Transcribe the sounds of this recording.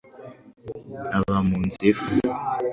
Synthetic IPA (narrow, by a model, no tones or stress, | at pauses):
aβamund͡zef